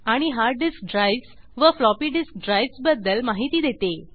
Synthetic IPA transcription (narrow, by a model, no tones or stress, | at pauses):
aɽ̃iɦaɾɖisk̚ɖɾajs | ʋəflɔpiːɖisk̚ɖɾajsbəd̪ːəlmaɦit̪iːd̪et̪e